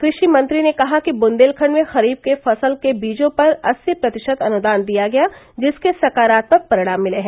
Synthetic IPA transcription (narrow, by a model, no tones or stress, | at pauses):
kɾɪʃimɐ̃nt̪ɾinekɐɦakibʊ̃nd̪eːlkʰəɳmẽxɐɾiːb̚kefɐsəlkebiːd͡ʒõpɐɾɐsːipɾɐt̪ɪʃəd̪ɐnʊd̪aːnd̪ijaɡɐja | d͡ʒɪskesɐkaːɾaːt̪mɐk̚pɐɾɪɽ̃aːmːɪleɦɛ̃ː